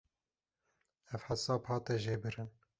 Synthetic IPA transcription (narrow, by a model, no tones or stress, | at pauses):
ɛfħasɑːbhɑːt̪ɛʒeːbɨɾɨn